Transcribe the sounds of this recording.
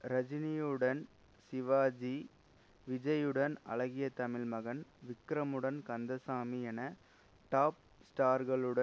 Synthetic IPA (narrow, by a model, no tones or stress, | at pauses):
ɾɐd͡ʒɪnijɯɽɐn | sɪʋaːd͡ʒi | ʋɪd͡ʒɐjɯɽɐnɐ̰ɭɐɣɪjɐt̪ɐmɪlmɐɣɐnʋɪkːɾɐmɯɽɐnkɐnd̪ɐsaːmiɛnɐ | ʈaːp̚sʈaːɾɣɐɭɯɽɐ